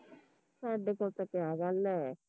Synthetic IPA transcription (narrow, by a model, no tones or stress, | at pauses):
saːɖeːkoːlt̪akeaːɡəlɛː